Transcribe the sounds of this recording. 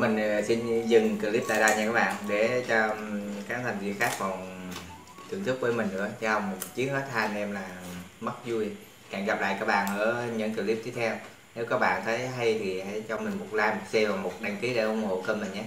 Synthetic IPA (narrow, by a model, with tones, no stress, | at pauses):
mi˨˩ŋ̟si˧nzɨ˨˩ŋkə˧˩li˦˥p̚t̪a̰ː˧˨ɗaː˧wɲaː˧kaː˦˥kɓa̰ː˧˨nɗe˧˩t͡ɕɔ˧kaː˧˦˥nt̪ʰa˨˩ŋ̟vḭ˧˨əxaː˦˥k̚va˨˩w | t̪ʰɨ˨˧˩ət̪ʰɨ˦˥k̚veː˧˩˦jmï˨˩ŋ̟nɨ̰˧˥ət͡ɕa˧˦hə˧˩wŋ͡mmo˨˩tt͡ɕi˨˦əŋ̚həː˦˥t̚t̪ʰːaː˧n˨˩ʔɛ˧mlaː˨˩mə˦˥t̚zu˧j | ka̰ː˧˩ŋɣa˨˩p̚la̰ː˧˨kaː˦˥k̚ɓa̰ː˧˨nʔəː˧˩ɲə̰˧˥nkːli˦˥pt̪i˧t̪ʰɛ˧w | ne˨˦wkaː˦˥k̚ɓa̰ː˧˨nt̪ʰə˨˦jɦa˧jt̪ʰi˨˩ha̰˧˥jt͡ɕɔ˧mï˨˩ŋ̟mo˨˩t̚laː˧jmo˨˩t̚sɛ˧vaː˨˩mo˨˩t̚ɗa˧ŋki˨˦ɗe˧˩ʔʊ˧˦ŋ͡mŋo̰˧˨kəː˧nmə˨˩ɲaː˧˦